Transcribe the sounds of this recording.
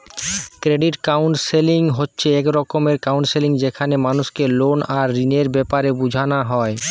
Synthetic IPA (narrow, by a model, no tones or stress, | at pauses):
kɾeɖiʈkawɳʈseliŋɦotːɕʰeekɾɔkomeɾkawɳʈseliŋd͡ʑekʰanemanuʃkelonaɾːineɾbɛpaɾebud͡ʑʱanaɦɔe